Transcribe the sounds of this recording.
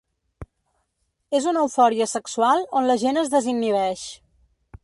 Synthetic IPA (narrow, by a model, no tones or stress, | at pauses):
ezunəwfɔɾiəsəksuwalˠonləʒenəzðəzinːiβɛʃ